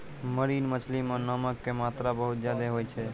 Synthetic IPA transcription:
məɾinmət͡ʃʰlimenəməkːemat̪ɾabəɦut̪̚d͡ʒjad̪eɦojt͡ʃʰɛ

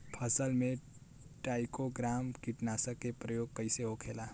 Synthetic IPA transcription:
pʰəsəlmẽ | ʈaːɪkoɡɾaːmkiʈnasəkːepɾəjoːɡ̚kəɪseɦokʰela

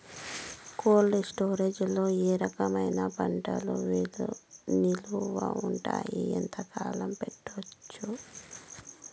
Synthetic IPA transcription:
koːlːisʈoːɾeːd͡ʒulo̞ːeːɾɐkɐmɐjnɐpɐɳʈɐ̰luʋiluniluʋa̰uɳʈa̰ːjiḛnt̪ɐkaːlɐmpeʈːot͡ʃːu

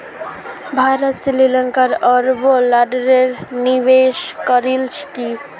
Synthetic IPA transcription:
bʱaɾət̪sililəŋkaɾəɾbolaɖɾeɾniʋeʃkəɾilt͡ʃʰki

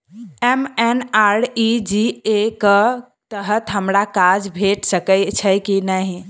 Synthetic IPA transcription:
emenaɽid͡ʒiekə | t̪əɦət̪ɦəmɾakad͡ʒbʱeʈsəkət͡ʃʰəkinəɦ

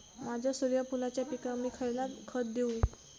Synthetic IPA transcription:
mad͡ʑʱasoɾjapulat͡ɕjapikamiːkʰajlakʰət̪̚d̪eũ

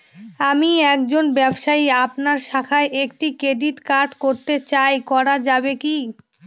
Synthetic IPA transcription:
amiɛk̚d͡ʑonbɛbʃaiapnaɾʃakʰaeʔekʈikɾeɖiʈkaɾɖkoɾt̪et͡ɕajkɔɾad͡ʑabeki

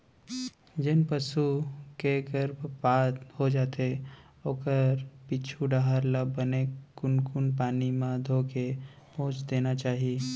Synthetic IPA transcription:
d͡ʒɪnpəsukeɡəɾbʱbaːt̪hod͡ʒaːt̪e | oːkəɾpit͡ʃʰuɖaɦəɾlabənekʊnkʊnpaːnimãd̪ʱoːke | põːt͡ʃd̪eːnat͡ʃaːɦie

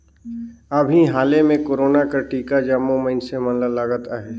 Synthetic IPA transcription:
əbʱiɦaːlemẽkoːɾoːnakəɾʈiːkad͡ʒaːmoməɪnsemə̃nləlaːɡət̪aɦɛː

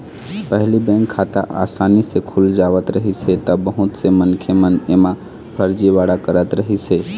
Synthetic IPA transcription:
pəɦlibɛ̃ŋkʰːat̪a̰ʔa̰sanisekʰuld͡ʒaʋət̪ɾəɦisʰɛt̪əbəɦut̪semənkʰemənemã | pʰəɾd͡ʒibaɽakəɾət̪ɾəɦisɛ

